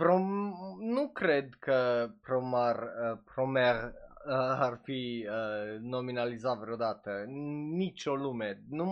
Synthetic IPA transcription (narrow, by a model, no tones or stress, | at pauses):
pɾonukɾed̪kʰəpɾomarəpɾomerəarfiəno̞minalizat̪vɾeod̪at̪ənit͡ʃo̞lumenu